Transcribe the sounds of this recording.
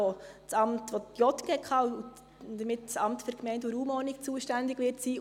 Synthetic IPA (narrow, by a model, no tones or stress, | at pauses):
ot͡sɑmtʋɔtjɔt̪kɛkʰχɑːu | d̥əmɪtt͡sɑmtføɾkmɛɪntuɾuːmɔnikt͡suəʃtændɪɡʋɪɾtsiː